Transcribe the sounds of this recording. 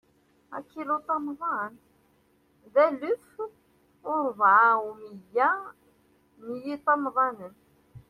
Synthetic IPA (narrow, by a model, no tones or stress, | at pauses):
æ̰kːilut̪ˤɑmðˤɑn | ðælʊf | ʊɾˤvʕamijːæ | mjit̪ˤɑmðˤɑnən